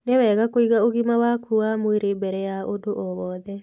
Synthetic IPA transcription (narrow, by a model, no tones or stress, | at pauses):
newɛɣakoiɣaoɣimawakuamweɾebɛɾɛjaʔodoʔɔwɔðɛ